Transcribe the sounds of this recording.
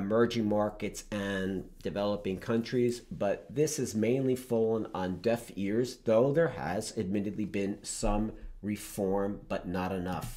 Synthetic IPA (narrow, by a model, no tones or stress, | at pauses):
ɨmɜ˞d͡ʒɪ̃ŋmɑɹkɨtsɨ̃nd̥ɨvɛlˠəpɪ̃ŋkʰʌ̃nt͡ʃɹ̥izb̥ʌt̪̚ðɪsɨzmẽɪ̃nlifɔlˠə̃nə̃ndɛfɪɹzðoʊðə˞ə̰zɨd̚mɪɾɨdˡlibɪ̃nsʌ̃mɹɨfɔɹmb̥ʌtⁿnəɾɨnʌf